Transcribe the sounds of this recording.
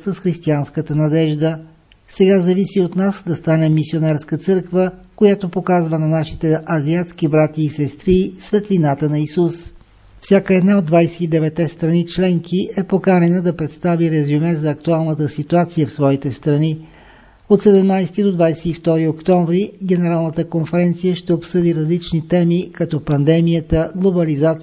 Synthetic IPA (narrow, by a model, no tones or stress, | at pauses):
səsxɾist̪ianskət̪ənɐd̪ɛʒd̪ə | sɛɡazɐvisiot̪nasd̪ɐst̪anɛmisionaɾskət̪sɤɾkvəkojat̪opokazvənɐnaʃit̪ɛʔɐziat̪sk̟ibɾat̪iːsɛst̪ɾisvɛt̪linat̪ənɐisus | fsʲjakəɛd̪naod̪vajsɛ̥id̪ɛvɛt̪ːɛst̪ɾɐnit͡ʃlɛŋkʰiʔɛpokaɾɛnəd̪ɐpɾɛt̪st̪aviɾɛzumɛzɐːkt̪ualˠnət̪əsit̪uat̪sijəfsvɔit̪ɛst̪ɾɐni | ot̪sɛd̪ɛmnajsɛt̪id̪od̪vajsɛift̪ɔɾiokt̪ɔɱvɾiɡ̟ʲɛnɛɾalˠnət̪əkonfɛɾɛnt̪sijəʃt̪ɛopsɤd̪iɾɐzlit͡ʃnit̪ɛmikɐt̪ɔpɐnd̪ɛmijət̪əɡlˠobɐlizat̪